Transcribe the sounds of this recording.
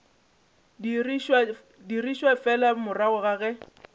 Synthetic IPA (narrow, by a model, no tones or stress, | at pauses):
diriʃwafɛlamʊraʊɣaɣɛ